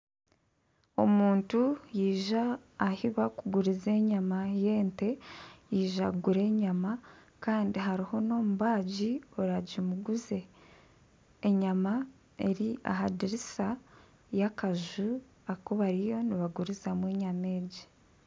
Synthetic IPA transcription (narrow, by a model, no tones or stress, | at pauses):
o̞̰muːntujiːʒaːhiβakuɡuɾize̞ːɲamaje̞ːnte̞jiːʒaɡuɾe̞ːɲama | kaːndiɦaɾiho̞no̞ːmuβaːɟioɾaɟimuɡuze̞ | ɲama | e̞ɾia̰ɦadiɾisa | jakaʒu | akoβaɾijo̞niβaɡuɾizamwe̞ːɲame̞ːɟi